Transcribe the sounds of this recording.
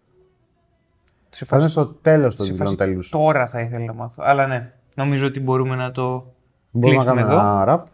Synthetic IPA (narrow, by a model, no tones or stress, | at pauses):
nest̪ot̪e̞lo̞st̪olont̪e̞lust̪oɾɐθɐiθelɐnɐmɐθo̰ɐlɐne̞ | no̞mizoot̪ibo̞ɾumenɐt̪o̞ | boɾuimnɐkɐnummeðoɐɾɐp